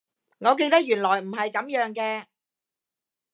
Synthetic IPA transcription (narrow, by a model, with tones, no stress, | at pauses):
ŋɔː˨˧k̬eː˧jt̪ɐ˥k̚jyː˨˩nlɔː˨˩jm̩˨˩ɦɐ˨jkɐ˨˥mjœː˨˧˥ŋkɛː˧